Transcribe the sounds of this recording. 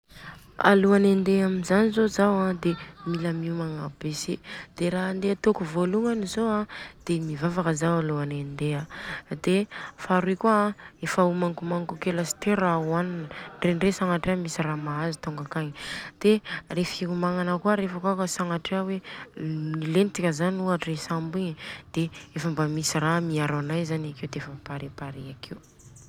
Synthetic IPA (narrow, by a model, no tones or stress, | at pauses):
a̰luanend̪eaminzanizozawãd̪emilamiumaŋabesed̪̥eɾaɦand̪eat̪okuvoluŋanizoad̪̥emivavakəzawaluanend̪ead̪efaɾikuãefaumaŋkumaŋkukeləsi̥t̪eɾauaninɳrenresaŋaʈ͡ʂeamisiramaazit̪uŋɡakaɲid̪̥erefikumaŋanəkuəɾefakokəsaŋaʈ͡ʂeawe | nilenit͡s̪ikʲəzanuaʈ͡ʂesambiɲd̪̥eefambamisiramiaɾanajzanakewd̪eefəpaɾepaɾeakʰew